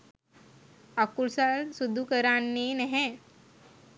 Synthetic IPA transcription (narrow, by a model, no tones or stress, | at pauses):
akulsalsud̪ʱukəɾanːinəɦɛ̃